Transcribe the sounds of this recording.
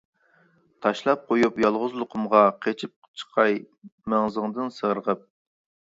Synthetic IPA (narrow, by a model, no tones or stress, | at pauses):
t̪ʰɑʃlˠɑp̚qʰojupjɑlˠʁʊzlˠʊqʰʊmʁɑqʰet͡ʃʰip̚t͡ʃʰə̥qʰɑj | mæŋzɨŋd̪ɨnsəʁəɾəʁəp̚